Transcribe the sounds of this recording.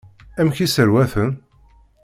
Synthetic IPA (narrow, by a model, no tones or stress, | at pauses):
æmçisəɾwæθən